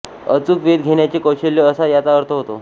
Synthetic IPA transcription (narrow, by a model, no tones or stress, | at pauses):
ət͡suːkʋed̪ɡʱeɳjat͡ɕikəwɕelːjəəsajat͡saəɾt̪ʰəɦot̪o̰